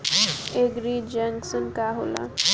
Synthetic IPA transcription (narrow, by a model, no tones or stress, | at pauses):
eɡɾid͡ʒɛŋksənkaɦo̰ːla̰